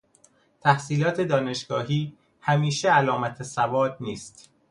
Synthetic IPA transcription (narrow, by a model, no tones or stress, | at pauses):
t̪ʰæhsiːlɒːt̪ʰe̞d̪ɒːne̞ʃɡ̥ɒːɦiː | hæmiːʃeælɒːmæt̪ʰesævɒːd̪̚niːst̪